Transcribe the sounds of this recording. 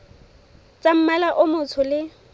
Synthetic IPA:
t͡sʼam̩malaʔʊmʊt͡sʰʊlɪ

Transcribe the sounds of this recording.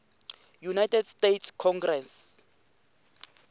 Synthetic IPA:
junajtʰɛdstetʰskʰɔŋɡrɛns

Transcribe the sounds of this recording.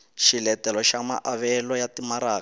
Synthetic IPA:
ʃilɛtɛlɔʃama̰ʔaβɛlɔjatimaɾaː

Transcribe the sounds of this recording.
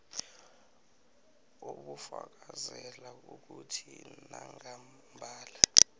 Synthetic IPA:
oɓufak̬ʼazɛlauk̬utʰinaŋa | mbʱaːla

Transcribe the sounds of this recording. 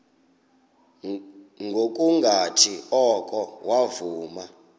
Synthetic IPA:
ŋɡʱok̬ʼuŋɡʱatʰiɔkʼɔwavuːma

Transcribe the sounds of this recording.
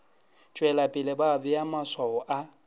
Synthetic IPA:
t͡ʃʼwɛlapʼɪlɪbabʊjamaswaɔʔa

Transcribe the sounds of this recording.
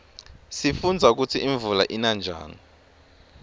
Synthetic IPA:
sifund͡zʱauk̬ut͡sʰiiɱvulaʔinand͡ʒʱa̰ːni

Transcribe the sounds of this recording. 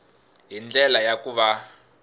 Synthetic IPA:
ɦind͡ɮɛlajakuβa

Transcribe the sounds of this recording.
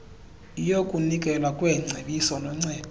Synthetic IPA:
ijokʼunikʼɛlwakʼwɛŋ͡ǀʱeɓisɔnɔŋ͡ǀɛːd̥ʱɔ

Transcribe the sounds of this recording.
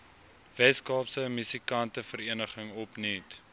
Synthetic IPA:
vɛskɑːpsəmysikɐntəfəɾiənəχəŋɔpnit

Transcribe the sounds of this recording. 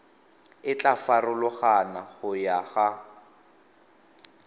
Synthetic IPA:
ɪt͡ɬʼafarʊlʊχanaχʊjaɣa

